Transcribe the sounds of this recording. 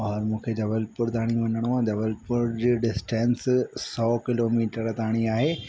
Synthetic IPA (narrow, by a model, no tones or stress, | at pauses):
ɔɔɾmũːkʰed͡ʑɐʋəlpʊɾt̪aːɽ̃ĩʋɐɲəɽ̃oãd͡ʑɐʋəlpʊɾd͡ʑeːɖɪsʈẽːnssɔːkɪloːmiːʈəɾt̪aːɽ̃iaːɦeː